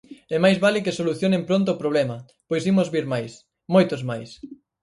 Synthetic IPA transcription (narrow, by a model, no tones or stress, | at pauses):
ɛmajzβalɪkesoluθjonẽmpɾont̪̬ʊːpɾoβlɛmɐ | pojsimʊzβiɾmajs | mojt̪ʊzmajs